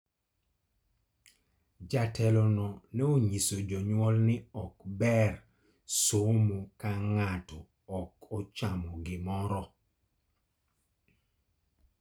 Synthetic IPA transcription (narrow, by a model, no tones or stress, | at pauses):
d͡ʒatʰɛlɔnɔnɛoɲisod͡ʒɔɲwɔlnɪɔkbɛr | somokaŋatɔ | ɔkɔt͡ʃamɔɡɪmɔɾɔ